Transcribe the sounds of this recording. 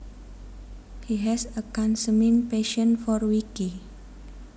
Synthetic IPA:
hiɦɛsəkãnsəmĩnpeʃə̃nfɔɾwiki

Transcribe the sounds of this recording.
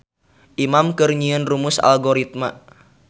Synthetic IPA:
ʔimamkərɲiənrumʊsa̰lɡoɾit̪̚ma

